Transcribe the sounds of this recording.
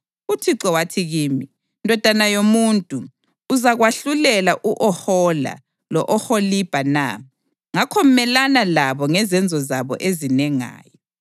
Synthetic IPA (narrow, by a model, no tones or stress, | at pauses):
utʰiǀɔwatʰiɣiːmi | ndʱɔd̥ʱanajomuntʼuː | zaɣwaɬulɛlaʔuʔɔhɔla̰ | lɔʔɔholib̥ʱana̰ | ŋakʰɔm̩mɛlanalaβɔŋɛzɛnd͡zʱɔzaβɔ̰ʔezinɛŋa̰ːjɔ